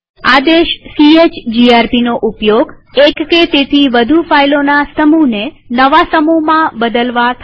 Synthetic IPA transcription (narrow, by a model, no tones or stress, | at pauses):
ad̪eʃsiet͡ʃd͡ʒiaɾpinoʔupjoɡekːet̪et̪ʰiʋəd̪ʱufailonast̪əmune | nəʋasəmuɦmãbəd̪əlʋat̪ʰ